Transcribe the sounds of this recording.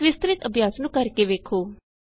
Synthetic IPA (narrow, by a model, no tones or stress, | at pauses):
ʋɪst̪ɾɪt̪əbʱjaːsnũːkəɾkeːʋeːkʰoː